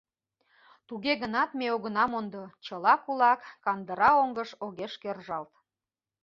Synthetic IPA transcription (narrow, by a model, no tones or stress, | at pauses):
t̪uɣeɣənɑt̪meoɣənɑmond̪ot͡ɕəlɑkulɑkːɑnd̪əɾɑoŋɡəʃoɣeʃkerʒɑlt̪